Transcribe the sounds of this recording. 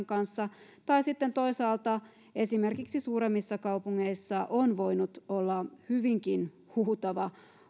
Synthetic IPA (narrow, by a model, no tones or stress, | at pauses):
ŋkɑnsːɑt̪ɑisit̪ːent̪o̞isɑːlt̪ɑ | e̞sime̞rkiksisuːɾe̞mːisːɑkɑupuŋːeisːɑʔonʋo̞jnut̪olːɑhyʋiŋkin | huːt̪ɑʋɑ